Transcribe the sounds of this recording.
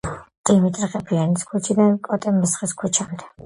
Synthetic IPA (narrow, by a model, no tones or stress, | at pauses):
d̪̥imit̪ʼɾiχʼɛpʰianiskʰut͡ʃʰid̪ankʼɔt̪ʼɛmɛsχiskʰut͡ʃʰand̪ɛ